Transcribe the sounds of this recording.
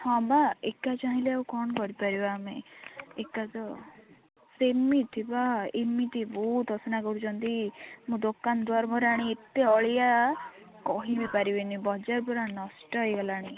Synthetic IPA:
hɔ̃baekat͡ʃaɦĩleawkɔɳkɔɾipaɾibaːmeekat̪ɔ | semit̪ʰibaemit̪ʰibɔut̪ɔsɔnakɔɾut͡ʃʰɔnt̪imũd̪okːand̪waɾmɔɾaɽ̃iet̪ːeɔɭja | kɔɦibipaɾibenibɔd͡ʒaɾpuɾanɔsʈɔjɡɔlaɽ̃i

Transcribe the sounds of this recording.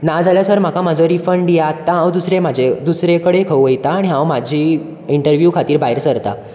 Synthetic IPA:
nad͡zaljasəɾm̤akamad͡zoɾifəɳɖjat̪ːãɦãwd̪usɾemad͡ʑʱed̪usɾekəɽekʰəwʋəjt̪aːɽiɦãwmad͡ʑʱiː | iɳʈəɾʋjukʰat̪iːɾbaɦiɾsəɾt̪a̰

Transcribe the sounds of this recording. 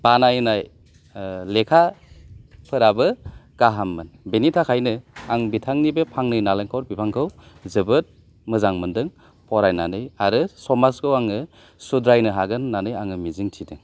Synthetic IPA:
b̥anajnaj | lekʰa | pʰɯɾabɯɡ̥aɦamːɯnbenitʰakʰajnɯaŋbitʰaŋnibepʰaŋnɯjnaleŋkʰɔɾbipʰaŋkʰɯwzɯbɯt̚ | mɯzaŋmɯndɯŋ | pɔɾajnanɯjaɾɯsɔmaskʰɯwaŋɯ | sudɾajnɯɦaɡɯnːanɯjaŋɯmiziŋtʰidɯŋ

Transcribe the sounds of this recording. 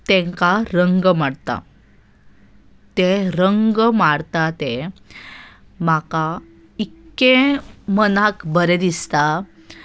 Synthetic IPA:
t̪ẽŋkaɾəŋɡmaɽt̪a̰ | t̪eɾəŋɡmaɽt̪at̪e | maka | ikːemənakbəɾed̪ist̪a

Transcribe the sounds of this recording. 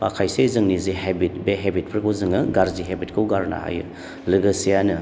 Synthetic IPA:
pakʰajsejzɯŋnizihebit̚beɦebit̚pʰɾkʰɯwzɯŋɯɡaɾziɦebitkʰɯwɡaɾna̰ha̰jɯ̰ | lɯɡɐsijanɯ

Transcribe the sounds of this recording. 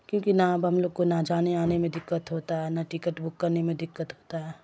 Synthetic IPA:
kjõːkinaɐbɦɐmloːɡ̚konad͡ʒaːneaːnemẽd̪ɪkːət̪ɦoːt̪aɦɛnaʈɪkəʈbʊkːɐɾnemẽd̪ɪkːət̪ɦoːt̪aɦɛː

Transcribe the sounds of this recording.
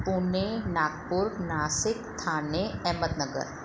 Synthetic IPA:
puːnenaːɡpʊɾnaːsɪkt̪ʰaːneɛːməd̪nəɡə̰ɾ

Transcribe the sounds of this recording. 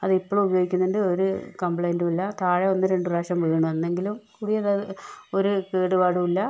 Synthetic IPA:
ɐðɨipːoɭubɐjoːɡikʲːunːɐnɳɖɨo̞ɾukɐmbɭɐjndumilːɐt̪ʰaːɻɐo̞nːɨɾe̞ɳɖɨraːʂɐmʋeːɐɳɐmenːe̞ŋɡilumkuːɽijɐðɐoɾukeːɽuʋaːɽumilːɐ

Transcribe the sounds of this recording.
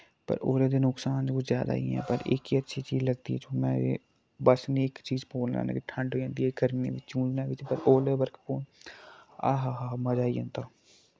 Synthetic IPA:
pə̰ɾoːɾed̪eːnʊksaːnkʊzjaːd̪a̰ːḭɛ̰ːpəɾḛkiːətːʃʰiːt͡ʃiːzləɡ̚d̪iɛːt͡ʃoːmɛ̰̃ː | bəsneːkt͡ʃiːzpoːlnã̰ːna̰ːkiʈʰə̃ɳɖɦoːd͡ʒãːnd̪iːɛːɡəɾmḛ̃ːʋɪt͡ʃt͡ʃũːd͡ʒnaːʋɪt͡ʃpəɾoːleːbəɾkpoːn | aːɦaːɦaːməd͡ʒaːiõ̰ːnt̪aː

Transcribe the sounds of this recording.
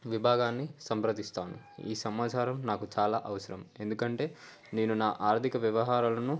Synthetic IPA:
ʋibʱaːɡaːnːisɐmpɾɐd̪ist̪aːnṵ | ḭːsɐmaːt͡ʃʰaːɾɐmnaːkut͡ʃaːlaːʔɐʋɐsɐɾɐme̞nd̪ukɐɳʈe̞ː | ne̞ːnunaːʔaːɾt̪ʰikɐʋjɐʋɐɦaːɾaːlɐnu

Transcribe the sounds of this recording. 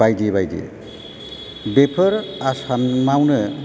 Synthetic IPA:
ajdibajdḭ | bepʰɯɾasammawnɯ

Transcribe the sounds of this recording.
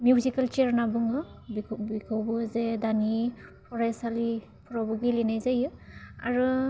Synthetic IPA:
mjuzikalt͡ʃeɾnabɯŋɯbʰbikʰawbɯzedanipʰɔɾajsali | pʰɔɾabɔɡilinajzajɯa̰ɾɯ

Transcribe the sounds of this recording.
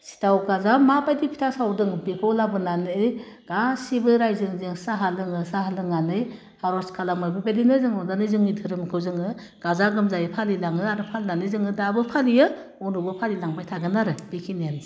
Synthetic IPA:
si̥tawɡazamapajdipʰi̥tʰasawdɯŋbekʰɔlabɯnanɯɯjɡ̥asibɯɾajzɯŋzɯŋsaɦalɯŋɯsaɦalɯŋanɯj | haɾɔskʰalamɯjbɯbelinɯzɯŋɔnzanɯzɯŋitʰɯɾɯmkʰɯwzɯŋɯ | ɡ̥azaɡɯmzajipʰalilaŋɯaɾɯpʰalnanɯzɯŋɯdabɯpʰalijɯ | ɔnubɯpʰalilaŋbajtʰaɡɯnaɾɯb̥ikʰinanzi

